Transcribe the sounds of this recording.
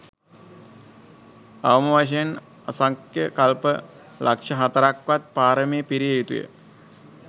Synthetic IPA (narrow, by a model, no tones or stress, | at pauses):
aʋəməʋaʃ̬ejen | asaŋkjəkalpə | lʔakʂɐɦat̪əɾakʋat̪̚paːɾəmeːpiɾijejut̪ṵjə̰